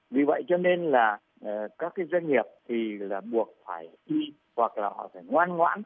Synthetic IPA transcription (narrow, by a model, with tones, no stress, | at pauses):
vi˨˩və̰˧˨jt͡ɕɔ˧ne˧nlaː˨˩ | ʔːkaː˦˥kːaː˨˦jzə˧jŋŋi˨˩əp̚t̪ʰi˨˩laː˨˩ɓu˨˩ək̚faː˧˩jʔi˧ | hwa˨˩k̚la̰ː˨˩hɔ̰˧˩faː˧˩jŋwaː˧nŋwa̰ː˧˥n